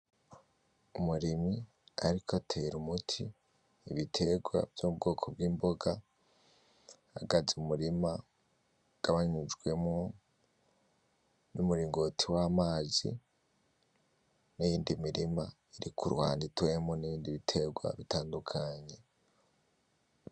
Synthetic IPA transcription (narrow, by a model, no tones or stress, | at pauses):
umuɾimi | aɾikʰotʰeɾumutʰiː | βitʰe̞ɡwa̰vjoub̚ɡo̞ːkʰo̞bɡiːmbo̞ɡa | aɡazumuɾima | ɡ̥aβaɲid͡ʒɡwe̞mŋo | numuɾiːŋɡo̞tʰiwamaːzḭ | nijiːndimiɾima | iɾikʰuɾwa̰ːnditwemoniβiːndiβitʰe̞ɡwa̰βitaːndukʰaɲe̞